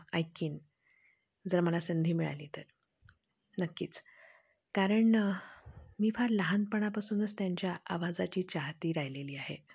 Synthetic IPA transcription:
ajkiːn | d͡zəɾməlasənd̪ʱiːmiɭa̰liːt̪əɾ | nəkːḭːt͡s | kaɾəɳ | miːfaɾləɦanpəɳ̃apasuːnəst̪jaɲt͡ɕjaʔaʋad͡zat͡ɕiːt͡ɕaɦt̪iːɾajleliːaɦe

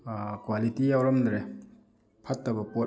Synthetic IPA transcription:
kwalitijawɾɔmdɾe | pʰatːɐbɐpɔt

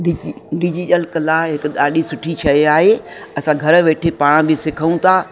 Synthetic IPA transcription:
ɖɪɖɪd͡ʑiʈəlkɐlaːɦɪk̆ɗaːɗisʊʈʰit͡ʃʰɐeaːɦeɐsãɡʱɐɾ̆ʋeːʈʰepaːɽ̃bʱɪsɪkʰəũt̪ʰaː

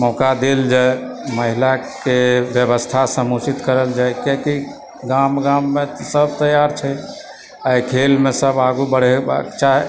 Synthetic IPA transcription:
mɔkad̪eld͡ʒae | məɦilakebjəbəst̪ʰasəmut͡ʃit̪kəɾəld͡ʒaekeki | ɡamɡamːet̪səb̚t̪əjaɾt͡ʃʰɛ | ajkʰelmesəbaɡubəɽ̤eba̰kt͡ʃaɦe

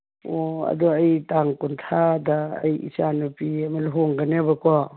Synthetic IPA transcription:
oɐ̰duɐjtaŋkuntʰada̰ːjḭsanupiamalɦoŋɡanebɐkɔ

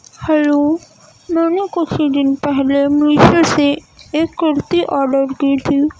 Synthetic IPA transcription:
hɛloː | mɛːnũkosiɖ̪ɪnpɛɦlemĩʃəseekːɪɾt̪iʔɔːɾɖəɾkit̪ʰi

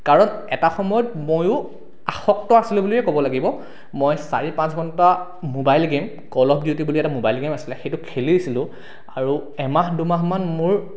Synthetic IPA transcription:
kaɹɔnɛtaxɔmɔjɔtmojʊ | axɔk̚tɔasilʊ̃blijɛkɔbɔlaɡibɔ | mɔjsa̰ɹipãsɡʱɔnta | mobajlɡem | kɔlɔp̚diutibuliɛtamobajlɡemasi̥lɛxejtʊkʰeliisilʊ̃ | aɹuɛmaɦdumaɦmanmʊɹ

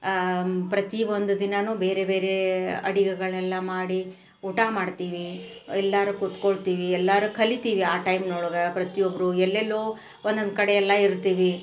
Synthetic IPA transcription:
pɾɐt̪iʋond̪ud̪inɐnuːbe̞ːɾebe̞ːɾe̞ɐ̰ɽiɡɛɡɐɭɛlːɐmaːɽi | uːʈaːmaːɖt̪iːʋi | ɛlːaːɾukut̪ko̞ɭt̪iːʋiɛlːɐɾukʰɐlit̪iːʋiaːʈɐjmnoːɭoɡɐpɾɐt̪iobːɾuɛlːelːoː | ond̪ond̪kɐɽejɛlːɐiɾt̪iːʋi

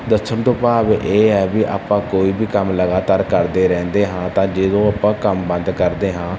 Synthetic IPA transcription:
d̪əsːəɳt̪õpaːbʔeːɛːbiʔa̰ːpːãːkoːiːbiːkəmləɡaːt̪aːɾkəɾd̪eːɾɛ̃ːnd̪eːɦãːt̪ãːd͡ʒeːd̪õːaːpːãːkəmbə̃nd̪kəɾd̪eːɦãː

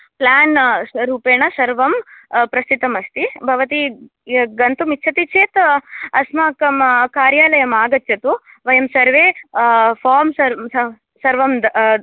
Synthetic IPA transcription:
plaːnɾuːpeːɳɐsɐɾʋɐmpɾɐst̪it̪ɐmɐst̪ibʱɐʋɐt̪i | ɡɐnt̪umitːt͡ʃʰɐt̪it͡ʃʰeːt̪ɐsmaːkɐmkaːɾjaːlɐjɐmaːɡɐt̪ːjɐt̪u | ʋɐjɐmsɐɾʋeːfʰaːɾmsɐ | sɐɾʋɐmd̪

